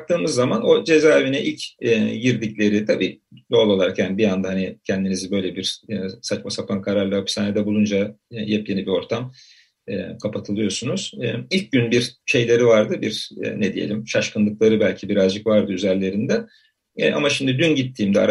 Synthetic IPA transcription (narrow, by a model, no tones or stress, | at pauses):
k̚t̪ʰɯːmɯzːamano̞d͡ʒe̞zaːevinɛʔilʲcɛɟiɾd̪iclʲe̞ɾit̪ʰabiːd̪o̞lˠo̞lˠaɾkjanibijand̪aɦanicʰɛnd̪inizibø̞jlʲebiɾ̥sat͡ʃmasapʰankʰaɾaɾlˠɯhapʰi̥saːned̪ɛbulˠund͡ʒajɛpjenibio̞ɾt̪ʰam | ɛkʰapʰat̪ʰɯlˠɯjo̞sunuz̥ɛilʲc̚ɟynbiɾʃe̞jlʲe̞ɾivaɾd̪ɯbiɾ̥ɛ̰nɛd̪ijḛlʲimʃaʃkɯnˠɯklˠaɾɯbælʲcʰibiɾazd͡ʒɯkvaɾd̪ɯyzæɾlʲe̞ɾind̪ɛ | ɛʔa̰maʃimd̪id̪ynɟit̪ʰːiːmd̪ɛa̰ɾ